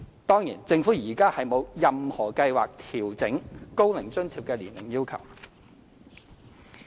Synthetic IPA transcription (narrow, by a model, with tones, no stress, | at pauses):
t̪ɔː˥ŋjḭː˨˩nt͡sɪ˧ŋfu˨˥jiː˨˩kaː˥hɐ˨jmo˨˧wjɐ˨mhɔː˨˩kɐ˧jwaː˨k̚t̪ʰiː˨˩wt͡sɪ˨˥ŋko˥wlɪ˨˩ŋt͡ʃɵ˥nt̪ʰiː˨p̚kɛː˧liː˨˩nlɪ˨˩ŋjiː˥wkʰɐ˨˩w